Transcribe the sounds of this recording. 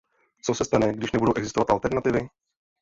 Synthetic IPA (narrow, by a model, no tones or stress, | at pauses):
t͡sosɛst̪anɛɡdɪʃnɛbudowʔɛɡzɪst̪ovat̪alt̪ɛɾnat̪ɪvɪ